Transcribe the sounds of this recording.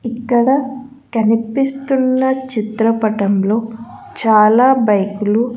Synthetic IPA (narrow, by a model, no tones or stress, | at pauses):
ikːɐɽɐ | kɐnipist̪unːɐt͡ʃit̪ɾɐpɐʈɐmlo̞ː | t͡ʃaːlaːbɐjkulu